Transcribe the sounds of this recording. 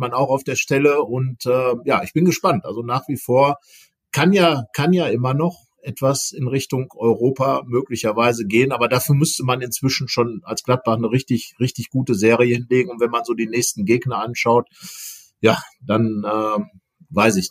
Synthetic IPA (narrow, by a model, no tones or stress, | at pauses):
manaʊxaʊfd̥eːɐʃtɛləʊntɛːjaːʔɪçb̥ɪnɡəʃpantʔa̰lzonaːχv̥iːfoːɐ | kʰanjaːkʰanjaːʔɪmɐnɔχ | ʔɛtv̥asɪnʁɪçtʊŋʔɔʏʁoːpamøːklɪçɐvaɪzəɡeːənʔaːbɐdaːfyːɐmʏstəmanɪnt͡sv̥ɪʃn̩ʃoːnalsɡ̥lat̚b̥aχnəʁɪçtɪçʁɪçtɪçɡ̥uːtəzeːʁijəhɪnleːɡŋ̩ʊntv̥ɛnmanzoːdiːnɛːçstn̩ɡeːɡnɐanʃaʊt | jaːd̥anɛː | vaɪs̬ɪç